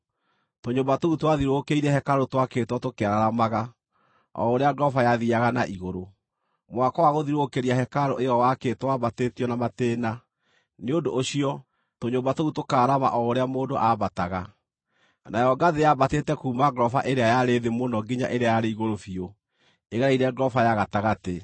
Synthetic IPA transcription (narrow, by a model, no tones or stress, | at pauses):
toɲoːmbatoutwaðiɾokeiɾɛhɛkaɾotwaketwɔtokeaɾaɾamaɣa | ɔ̰oɾeaɡɾɔfajaðiaɣanaʔiɣoɾo | mwakɔwaɣoðiɾokeɾiahɛkaɾoejɔwaketwabatetiɔnamateːna | neondoɕiɔ | toɲoːmbatoutokaːɾama̰ʔɔoɾeamoːndoʔabataɣa | najɔɡaðejabateːtɛkuːmaɡɾɔfaʔeɾeajaɾeðemonɔɡiɲa̰ʔeɾeajaɾeiɣoɾofio | eɣɛɾaiɾɛɡɾɔfajaɣataɣate